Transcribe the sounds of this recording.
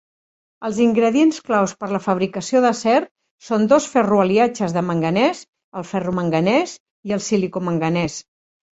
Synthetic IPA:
əlˠziŋɡɾəðiensklawspəɾləfəβ̞ɾikəsioðəsɛɾ | sond̪osfɛruəliat͡ʃəzðəməŋɡənɛz | əlˠfɛruməŋɡənɛz | iəlˠsilikoməŋɡənɛs

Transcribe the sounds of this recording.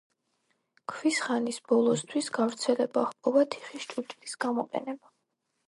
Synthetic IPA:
kʰvisχanisbɔlˠɔst̪ʰwisɡavɾt̪sʰɛlɛbaχpʼɔvat̪ʰi̥χiʃt͡ʃʼut͡ʃʼlisɡ̥amɔqʼɛ̰nɛba

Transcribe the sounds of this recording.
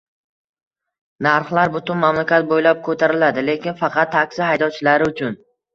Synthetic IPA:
naɾχlˠaɾbʊt̪ʊnmamlakʲat̪̚bojlap̚kʰɵt̪ʰaɾɪlad̪ɪle̞kʲɪnfɑqʰɑt̪ʰːakʲsɪɦajd̪ɒt͡ʃʰɪlaɾɪʊt͡ʃʰʊn

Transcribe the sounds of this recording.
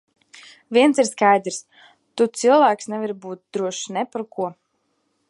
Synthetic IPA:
vʲiɛnsiɾskajd̪ɾs | t̪ut̪silˠvæːksnɛviɾbuːt̪̚d̪ɾuɔʃnɛpaɾkuɔ

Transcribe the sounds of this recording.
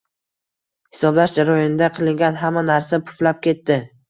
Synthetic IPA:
hɪ̥sɒblaʃd͡ʒaɾɒjɒnɪd̪aqʰɨlˠɪŋɡʲanɦamːanaɾsapʰʊ̥flap̚kʲe̞t̪ːɪ

